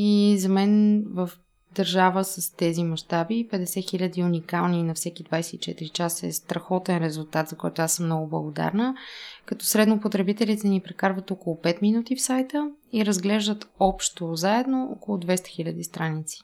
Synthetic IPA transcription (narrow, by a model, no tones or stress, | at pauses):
izɐmɛnvəf | d̪ɐɾʒavəsəst̪ɛzimɐʃt̪abipɛd̪ɛsɛxilʲəd̪iunikalˠninɐfsɛkid̪vajsɛt̪it͡ʃɛt̪ɾit͡ʃasəɛ̰st̪ɾɐxɔt̪ɛnɾɛzulˠt̪at̪zɐkɔjt̪oasəmnɔɡʊblˠəɡod̪a̰ɾnəkɐt̪ɔsɾɛd̪nopot̪ɾɛbit̪ɛlit̪ɛnipɾɛkaɾvət̪ɔkolˠopɛt̪minut̪ifsajt̪əiɾəzɡlɛʒd̪ət̪ɔpʃt̪ozaɛd̪noɔ̰kolˠʊd̪vɛst̪ə̥xilʲəd̪ist̪ɾanit̪si̥